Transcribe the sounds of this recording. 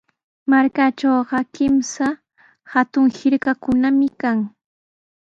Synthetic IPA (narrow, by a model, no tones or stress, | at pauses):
maɾkat͡ʃowɢɑkɪmsa | hat̪ʊŋhɪɾkakʊnamɪkaŋ